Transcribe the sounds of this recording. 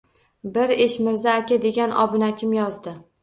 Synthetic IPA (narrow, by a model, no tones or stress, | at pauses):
bɪɾeʃmɪɾzaːkʲad̪e̞ɡʲanɒ̰bɪnat͡ʃʰɪmjɒzd̪ɪ